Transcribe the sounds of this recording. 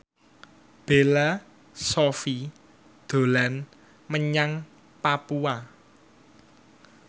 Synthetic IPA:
b̥e̤la | sofi | d̪̥o̤lan | məɲaŋ | papua

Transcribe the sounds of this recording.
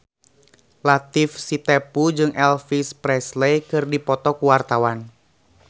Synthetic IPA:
lat̪ɪfsit̪ɛpud͡ʒɨŋʔɛlfispɾɛslekɨrdipɔt̪ɔkuwart̪awan

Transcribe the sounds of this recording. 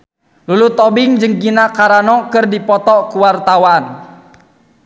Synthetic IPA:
lulut̪ɔbɪŋd͡ʒɨŋɡinakaɾanɔkɨrdipɔt̪ɔkuwart̪awan

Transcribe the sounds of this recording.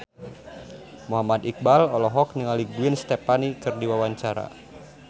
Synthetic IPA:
muɦamad̪ik̚balɔlɔɦɔk̚niŋaliɡuɪnst̪epanikɨrdiwawaɲt͡ʃaɾa̰

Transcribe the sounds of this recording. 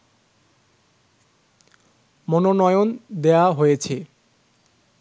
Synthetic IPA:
mononɔjond̪eaɦojet͡ɕʰe

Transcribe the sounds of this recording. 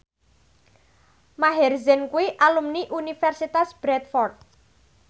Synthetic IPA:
maɦɛrzɛnkuwiʔalumniʔunifɛrsit̪asb̥ɾɛt̪̚fɔrt̪̚

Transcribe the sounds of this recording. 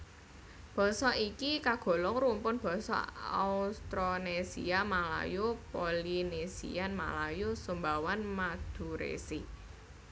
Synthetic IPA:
b̥ɔ̤sɔikikaɡ̥ɔ̤lɔŋrumpʊnb̥ɔ̤sɔ̰a̰ust̪ɾonesḭamala̰jupolinesḭanma̰lajusumbawanmad̪̥ṳɾḛsi

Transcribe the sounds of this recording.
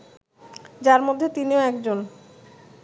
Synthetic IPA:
d͡ʑaɾmod̪ʱːet̪inioɛkd͡ʑon

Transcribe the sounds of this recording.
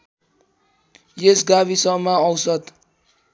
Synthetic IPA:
jesɡaβisʌmaʌwsʌt̪

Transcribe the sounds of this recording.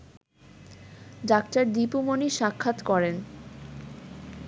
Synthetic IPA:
ɖakʈaɾd̪ipumoniʃakʰːat̪kɔɾen

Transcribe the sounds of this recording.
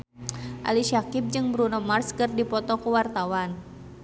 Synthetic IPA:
ʔa̰liʃakip̚d͡ʒɨŋbɾunɔmarskɨrdipɔt̪ɔkuwart̪awan

